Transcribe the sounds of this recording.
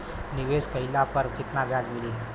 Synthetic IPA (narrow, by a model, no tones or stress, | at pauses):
niʋeskəilapəɾkit̪nabjaɡmili